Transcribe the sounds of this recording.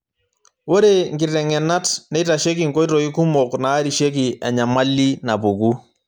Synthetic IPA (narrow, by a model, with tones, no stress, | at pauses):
wo˦ɾe˦ŋɡɪ˨rɛ˨ŋɛ˨na˦tnɛ˦ta˨ʃe˦k̬i˨ŋko˦i˦tɔ˨i˦ku˦mɔ˨knaː˨˦ɾi˨ʃe˦k̬i˨ɛ˨ɲa˨ma˦li˦na˨pu˨ku˦